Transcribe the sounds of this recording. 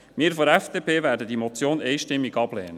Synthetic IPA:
miːɾfɔɾɛfd̥eːpʰeːvæːɾdədimɔt͡sjoːnɛɪʃtɪmːiɡɑb̥lɛ̰ːnə

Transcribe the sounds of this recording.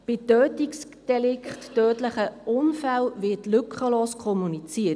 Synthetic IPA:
b̥ɪtøːtiksd̥ɛlɪkχtːøːtləχəʔʊnfælvɪtlʏkχəloːskʰɔmunit͡siə

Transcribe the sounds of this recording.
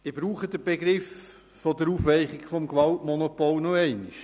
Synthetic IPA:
d̥ibɾuːχəd̥̪əb̥eɡɾɪf | fɔdəɾuːfʋɛɪχɪɡ̥fɔmɡʋɑltmɔnopolnoɛɪnɪʃ

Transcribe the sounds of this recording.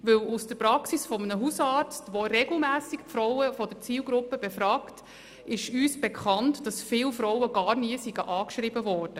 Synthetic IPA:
ʋɵwusd̥əɾpɾɑksisfɔmənəɦusɑːɾt͡stʋoɾɛɡl̩mæːsikpfɾɔwəfɔdəɾt͡siːlɡɾʊpːəb̥efɾɑːkt | ɪʃyːsb̥ekχɑntd̥ɑsfɪːlfɾɔʊwəɡ̥ɑːɾniəsiɡ̥əʔɑːkʃɾibəʋɔːrd̥ə

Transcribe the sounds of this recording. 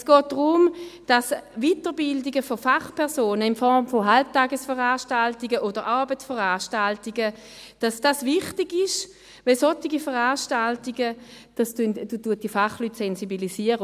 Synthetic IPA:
sɡ̥ɔːt̚d̥ʁʊmd̥asvitəʁbɪldiɡəfofaχpʰɛʁsoːnəɪnfɔʁmfoɦalp̚taːɡəsfəʁaːʃtaltiɡəʔodəʁʔaɐbət͡ssfəʁaːʃtaltiɡə | d̥asd̥asvɪχtɪɡɪʃ | vɛlsotiɡifəʁaːʃtaltiɡə | d̥astyndutuɐt̚d̥ifaχlyːtsɛnsibilisiəʁə

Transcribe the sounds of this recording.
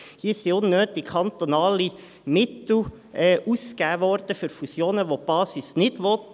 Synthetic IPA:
hiːsiʊnːøːt̪ɪkʰɑnt̪onɑːli | mɪt̪ʊ | ɛʔuskæːʋɔɾd̪əfʏɾfusjoːnəʋob̥ɑːsisnɪt̪ʋoːt̪

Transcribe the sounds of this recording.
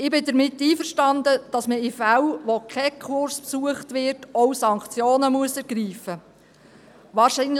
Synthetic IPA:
ɪbɪdəɾmɪtːiːfəɾʃtɑndəd̥ɑsməifæwʋokʰχɛkʰʊɾspsuəχtʋɪɾtɔwsɑŋkt͡sjoːnəmuəsɛɾɡ̥ɾiːfə | ʋɑːɾʃin

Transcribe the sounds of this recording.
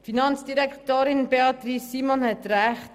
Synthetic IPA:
finɑnt͡ssd̥iɾɛktoːɾɪnbeɑt̪ɾisːiːmɔnhɛtɾæχt

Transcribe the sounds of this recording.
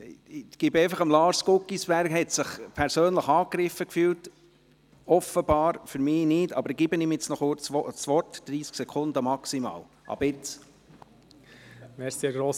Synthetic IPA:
ɡ̥ɪbeɪfɑχəmlɑːɾskʊkːisb̥æɾkhɛt̪sɪχpʰɛɾsøːnləχɑːkɾɪfəkfyːlt | ɔfəbɑːɾfyɾmɪːnɪːdɑ̰bəɾɡ̥ɪbənɪmjɪt͡snɔχʊt͡sʋɔsʋɔrtd̥ɾiːsksɛkʰʊndəmɑksimɑ̰ːl | ʔɑ̰bɪt͡s | mɛɾsiɡɾoːs

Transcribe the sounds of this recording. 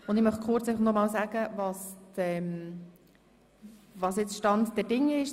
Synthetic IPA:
ʊnd̪ɪmœχkʰʊɾt͡sɛɪɑχnɔmɑːlsæɡ̥əvɑstɛm | vɑsjɪt͡sʃtɑntd̥ɛɾdɪŋɪʃ

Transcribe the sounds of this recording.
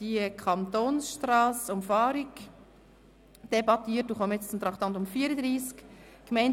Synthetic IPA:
d̥ikʰɑnt̪oːnsʃtrɑːsʊmfɑːɾɪɡ | d̥ebɑt̪iːət̚ːuːχɔmjɛt͡st͡sʊmt̪ɾɑχt̪ɑnt̪ʊmfiːəɾəd̪ɾiːsk | kmɛɪn

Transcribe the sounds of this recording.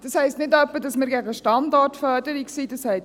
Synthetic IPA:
d̥ɑshɛɪstnɪtœpːəd̥ɑsmiɾɡæɡəəʃtɑndɔrtfœdəɾiksid̥ɑshɛɪ

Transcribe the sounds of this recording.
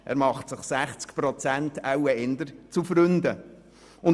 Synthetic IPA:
ʔɛ̰ːɾmɑχtsɪχsæχt͡skpɾɔt͡sæntʰawəɪnd̪əɾt͡sufɾʏnd̪ə | ʊn

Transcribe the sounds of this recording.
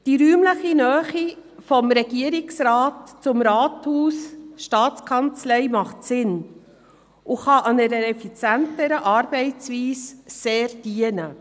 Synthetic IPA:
d̥iɾyːmləχinœːχifɔmɾɛɡiəɾɪksɾɑːtt͡sʊmɾɑːthuːsʃtɑːt͡skʰɑnt͡slɛɪmɑχtsɪn | ʊχɑʔɑnɛɾəɛfit͡sjæntəɾəʔɑːɾb̥ɛɪt͡sʋiːsseːɾd̥iənə

